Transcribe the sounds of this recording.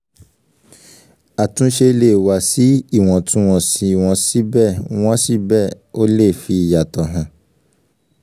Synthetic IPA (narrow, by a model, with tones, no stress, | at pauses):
a˨tũ˨˦ʃe˧le˦˨wa˨si˨˦i˦˨w̃ɔ̃˨tũ˨˦w̃ɔ̃˨sĩ˧˦i˨w̃ɔ̃˧si˦bɛ˦˨w̃ɔ̃˦si˦bɛ˦˨ | o˦le˦˨fi˧i˨ja˨tɔ˨ɦã˨˦